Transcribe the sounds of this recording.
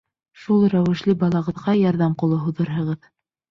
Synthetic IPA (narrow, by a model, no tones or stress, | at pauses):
ʃulˠɾæwɘ̆ʃlɘbɑlˠɑʁɤ̆ðʁɑjɑɾðɑmqŏlˠɤɦuðɤɾɦɤ̆ʁɤð